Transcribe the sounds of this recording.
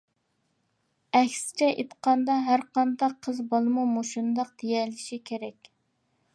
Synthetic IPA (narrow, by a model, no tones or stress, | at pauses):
ɛkʲsɪ̥t͡ʃʰɛʔet̪qʰɑnd̪ɑɦæɾqɑnd̪ɑqʰːəzbolˠmumoʃund̪ɑq̚d̪ejɛlːɪʃikʲʰeɾɛkʲ